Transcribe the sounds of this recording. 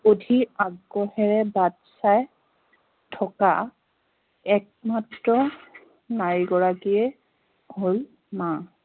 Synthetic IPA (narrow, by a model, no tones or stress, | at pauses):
odʱiaɡːɔhɛɹɛbatsaj | tʰɔka̰ | ɛk̚matɹɔ | naɹiɡɔɹakiɛ | hol | ma